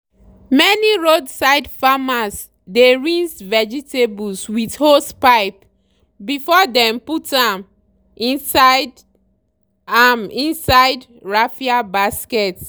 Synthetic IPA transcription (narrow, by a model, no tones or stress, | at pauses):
mɛniɹodsaɪdfamas | deɹĩnzvɛd͡ʒitebulswithospaɪp | bifɔdɛ̃mputãm | ĩnsaɪd | amĩnsaɪd | ɹafiabaskɛt